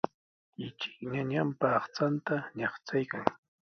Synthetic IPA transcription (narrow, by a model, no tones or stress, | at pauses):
ɪt͡ʃɪ̥kɲaɲampaːχt͡sant̪aɲɑχt͡sajkaŋ